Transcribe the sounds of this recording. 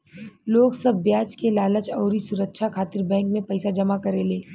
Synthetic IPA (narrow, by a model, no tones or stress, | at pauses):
loːɡsɐbːjaːt͡ʃkelaːlət͡ʃɔːɾisʊɾəkʃʰakʰaːt̪ɪɾbɛ̃ːŋkmẽpɐɪsad͡ʒɐmakɐɾeleː